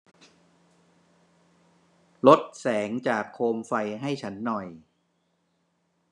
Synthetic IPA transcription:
lo˦˥t̪̚sɛː˩˦ŋt͡ɕaː˨˩kʰːoː˧mfa˧jɦa˥˩jt͡ɕʰa˦˥nːɔ˨˩j

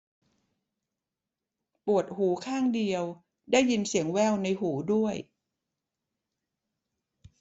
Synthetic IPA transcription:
pu˨˩ət̪̚huː˩˦kʰaː˥˩ŋdi˧əw | daː˥˩jːi˧nsi˩˦əŋwɛː˥˩wna˧jhuː˩˦du˥˩əj

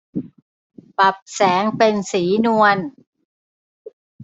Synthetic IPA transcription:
pa˨˩p̚sɛː˩˦ŋpe˧nsiː˩˦nu˧ən

